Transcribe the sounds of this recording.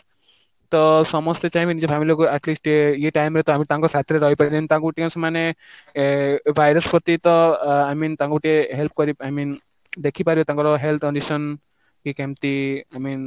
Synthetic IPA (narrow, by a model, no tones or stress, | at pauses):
t̪ɔsɔmɔst̪et͡ʃajmkinid͡ʑɔpʰamiliɔkuɛʈlisʈjeʈajmɾet̪ɔamit̪ãŋkɔɾsat̪ʰːɾeɾɔɦipaɾiint̪ãŋkɔʈikɔnsmane | bʱajɾɔspɔt̪it̪ɔajmint̪ãŋkɔʈieɦelp̚ʰkɔɾiajmin | d̪ekʰipaɾibet̪ãŋkɔɾɔɦelt̪ʰkɔɳɖiʃɔn | kikɛ̃mt̪iajmin